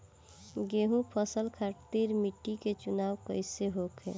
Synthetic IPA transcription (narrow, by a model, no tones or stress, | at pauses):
ɡeɦũpʰəsəlkʰaʈt̪iːɾmiʈːiket͡ʃunaːwkəɪseɦokʰɦḛː